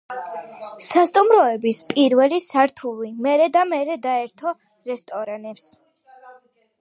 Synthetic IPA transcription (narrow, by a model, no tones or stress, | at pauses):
sast̪ʼumɾɔɛbispʼiɾvɛlisaɾt̪ʰulimɛɾɛd̪amɛɾɛd̪aɛɾt̪ʰɔ | ɾɛst̪ʼɔɾanɛps